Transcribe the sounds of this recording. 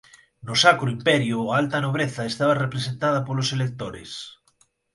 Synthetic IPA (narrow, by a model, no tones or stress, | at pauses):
nosakɾoimpɛɾjoaalt̪anoβ̞ɾeθaest̪aβ̞arepɾesent̪að̞apoloselek̚t̪oɾḛs